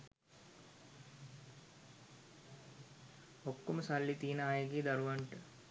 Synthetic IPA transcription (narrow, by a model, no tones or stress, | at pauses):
okːoməsalːit̪iːnəaːjeɡiːd̪ɐɾuʋɐɳʈə